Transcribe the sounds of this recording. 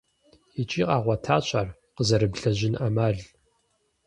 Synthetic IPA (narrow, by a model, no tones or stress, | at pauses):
it͡ʃʼiːqʼaːʁʷɐtʰaːɕʼarqəzɐɾɨbɮɐʑɪnʔamaːɮ